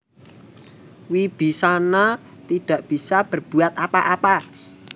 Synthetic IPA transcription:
wib̥i̤sana | t̪iɖ̥a̤ʔb̥i̤sab̥ərb̥ṳat̪apaʔapa

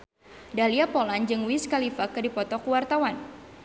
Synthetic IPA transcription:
daliapoland͡ʒɨŋwiskalifakɨdipɔt̪ɔkwart̪awan

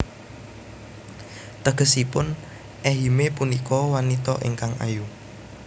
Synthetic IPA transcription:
t̪əɡ̥ə̤sipʊn | ʔɛɦimepunikɔwanit̪ɔʔḭŋkaŋa̰ju

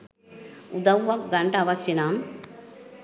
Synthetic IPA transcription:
ud̪ɐwʋɐk̚ɡɐɳɖɐʋɐsjinaːm

